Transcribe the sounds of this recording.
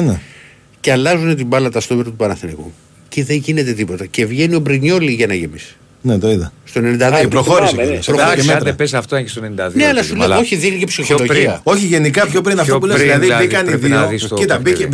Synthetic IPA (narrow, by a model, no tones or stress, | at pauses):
ne | ceɐlɐzune̞t̪̬ibɐlɐt̪ɐst̪oveɾɐt̪upɐnɐθinikṵ | ciðe̞ɲʝine̞t̪e̞t̪ipo̞t̪ɐcevʝe̞nio̞bɾiɲo̞liʝɐnɐʝemis | net̪oiðɐst̪o̞enenind̪ɐðioepɾoxo̞ɾisspɾooemɾepesɐft̪oɐestonenid̪ɐðneɐlɐsuleoçiðiɣlicepsixoðoiɐo̞çiʝe̞nikɐpçop̬ɾinɐft̪p̬uleilɐðiikɐniðiisit̪ɐbie